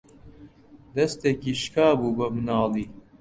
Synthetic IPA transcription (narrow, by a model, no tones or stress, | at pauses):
d̪ɐst̪eːkiːʃkaːbuːbɐmɨnɑːliː